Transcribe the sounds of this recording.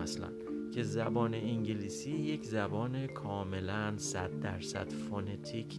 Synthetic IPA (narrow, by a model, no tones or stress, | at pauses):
æslæ̰ncʰe̞zæbɒːneiŋɟeliːsiːje̞cʰzæbɒːne̞kʰɒːme̞lænsæd̪ːæɾsæ̰d̪̥fonet̪ʰikʰ